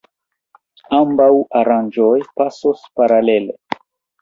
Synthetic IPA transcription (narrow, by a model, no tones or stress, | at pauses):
ambawaɾand͡ʒojpasospaɾale̞lḛ